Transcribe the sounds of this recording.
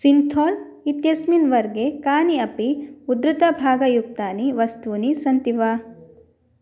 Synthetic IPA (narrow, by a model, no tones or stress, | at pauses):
sint̪ʰoːl | it̪jɐsminʋɐɾɡekaːniɐpiud̪ɾɨt̪ɐbʱaːɡɐjuk̚t̪aːniʋɐst̪uːnisɐnt̪iʋa